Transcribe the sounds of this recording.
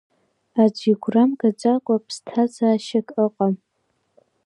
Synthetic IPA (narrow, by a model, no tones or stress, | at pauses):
ad͡ʒʷiɡʷramɡat͡ʃʷʼakʷʼapʰstʰazaːʃakʼəqʼam